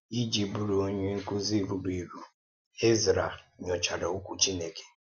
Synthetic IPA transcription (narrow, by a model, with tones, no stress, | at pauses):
i˦d͡ʒi˨bu˨ɾu˨o˦ɲe˦ŋ̩˦ku˦zi˦˨vu˨ɾi˨ɾu˨ | e˦zi˨ɾa˨ɲɔ˨t͡ʃa˨ɾa˨u˦kʷu˨t͡ʃi˦ne˨ke̥˨